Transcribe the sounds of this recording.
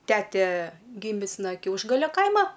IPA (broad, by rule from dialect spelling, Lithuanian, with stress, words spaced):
ˈtʲæːtʲɛ ˈɡʲɪmʲɪs nɐ ˈkʲɛʊʒɡɐlʲɛ ˈkɐɪmɐ